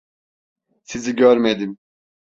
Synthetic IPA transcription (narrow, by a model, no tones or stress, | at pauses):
siziɟøɾmed̪im